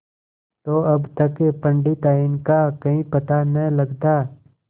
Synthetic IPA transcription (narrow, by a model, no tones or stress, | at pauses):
t̪oːɐbt̪ɐkːepə̃ɳɖit̪aːinkakɐɦĩpɐt̪anɐ̃lɐɡd̪aː